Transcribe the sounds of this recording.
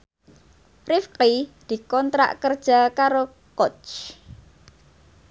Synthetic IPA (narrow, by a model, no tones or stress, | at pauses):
rifqid̪̥i̤kɔnt̪ɾa̰ʔkərd̥ʒ̥a̤kaɾo | kɔt͡ʃ